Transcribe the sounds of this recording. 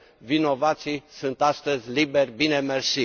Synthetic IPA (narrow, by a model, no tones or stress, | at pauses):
vino̞vat̪sijsunt̪ast̪əzʲlibe̞rʲbine̞mərsi